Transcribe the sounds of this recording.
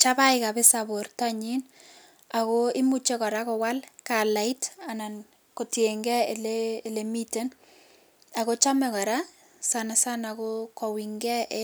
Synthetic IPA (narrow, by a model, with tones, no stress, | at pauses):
t͡ʃa˦ba˦ɪka˨be˦sabortaɲin | akoɪ˦mut͡ʃe˦kɔ˨ɾa˦kɔ˨wa˦lkala˨ɪ˦ta˨na˨n | ko˨tjeŋɡɛ˦elele˨mi˦te˦n | a˨ko˦t͡ʃa˦mɛkɔ˨ɾa | sana˨sanakokɔ˨wiŋɡɛ˦ʔ